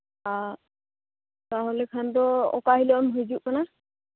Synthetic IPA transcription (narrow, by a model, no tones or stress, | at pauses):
a | taɦɔlɛkʰantɔɔ̰kaɦilɔɔmɦujzuʔkana